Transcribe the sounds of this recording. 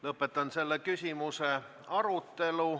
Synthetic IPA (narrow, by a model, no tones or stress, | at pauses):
lɤpːˑet̪ːˑɑnse̞lːekysʲimuse̞ | ɑɾut̪ːe̞lu